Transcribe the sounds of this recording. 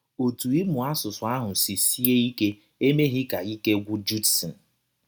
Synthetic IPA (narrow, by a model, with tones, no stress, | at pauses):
o˨tu˨i˦mʊ˨a˦sʊ˨sʊ˨a˦ɦʊ˨si˨si˦e˦i˦ke˦ | e˦me˦ɦɪ˦ka˨i˦ke˦ɡʷʊ˦d͡ʒu˦dsi˨n̩˨